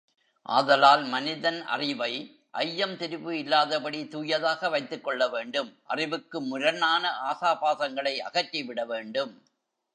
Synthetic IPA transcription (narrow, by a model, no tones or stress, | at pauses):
ʔa̰ːðɐlaːlmɐnɪðɐnʔɐ̰rɪʋɐɪ | ʔɐjːɐmt̪ɪɾɯʋɯɪlːaːðɐpɐɽit̪uːjɐðaːɣɐʋɐɪt̪ːɯkːɔɭːɐʋeːɳɖɯmʔɐ̰rɪʋɯkːɯmːʊɾɐnaːnɐʔaːsaːpaːðɐŋɡɐɭɐɪʔɐ̰ɣɐʈːiʋɪɽɐʋeːɳɖɯm